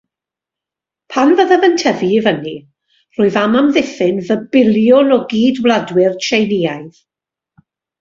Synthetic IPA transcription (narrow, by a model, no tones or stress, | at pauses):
pʰanvəðəðəntʰəvivəni | r̥ʊːɨðamamðɪθɪnvəbɪlˠjʊnɔɡiːdwlˠadwɪrt͡ʃʰejnɪajð